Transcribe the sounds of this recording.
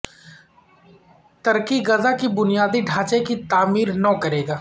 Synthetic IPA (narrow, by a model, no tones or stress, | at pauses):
t̪ɐɾkiɣɐzakibʊnijaːd̪iɖʱaːt͡ʃekit̪aːmiːɾnɐkɐɾeːɡaː